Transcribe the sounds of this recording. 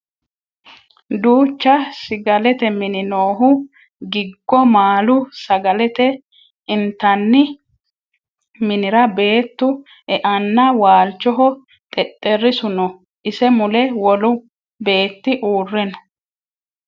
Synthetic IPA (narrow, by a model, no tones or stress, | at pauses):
d̪uːt͡ʃːɐsɪɡɐlɛt̪ɛmɪnɪnoːɦʊ | ɡɪɡːɔmaːlʊsɐɡɐlɛt̪ɛ | ɪnt̪ːɐnːɪ | mɪnɪɾɐbe̞ːt̪ːʊ | ɛʔɐnːɐwaːlt͡ʃːɔɦɔ | t̪ʼɛt̪ʼːɛrːɪsʊnɔ | ʔɪsɛmʊlɛwɔlʊ | be̞ːt̪ːɪʔuːrːɛnɔ̥